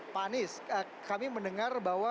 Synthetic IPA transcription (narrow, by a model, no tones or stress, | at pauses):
panɪsə | kamiməndəŋarbawa